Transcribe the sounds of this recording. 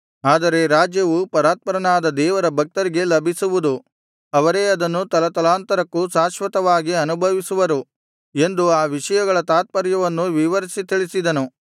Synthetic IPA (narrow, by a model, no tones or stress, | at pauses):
aːd̪ɐɾe̞ɾaːd͡ʒjɐʋupɐɾaːt̪̚pɐɾɐnaːd̪ɐd̪ɛːʋɐɾɐbʱɐk̚t̪ɐɾiɡe̞lɐbʱisuʋud̪u | ɐʋɐɾe̞ːɐd̪ɐnːut̪ɐlɐt̪ɐlaːnt̪ɐɾɐkːusaːʃʋɐt̪ɐʋaːɡiɐnubʱɐʋisuʋɐɾu | e̞nd̪uaːʋiʂɐjɐɡɐɭɐt̪aːt̪̚pɐɾjɐʋɐnːuʋiʋɐɾisit̪iɭisid̪ɐnu